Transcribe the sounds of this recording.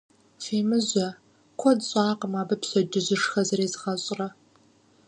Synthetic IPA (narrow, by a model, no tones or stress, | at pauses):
feːmɨʑʷɐ | kʷʰɔdɕʼɑːqəmaːbɐpɕɐd͡ʒɪʑɪʂxɐzɐreːzɨʁɐɕʼrɐ